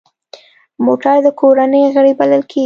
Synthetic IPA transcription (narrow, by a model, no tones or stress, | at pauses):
moʈaɾd̪əkoɾanəjɣəɽebaləlkʰe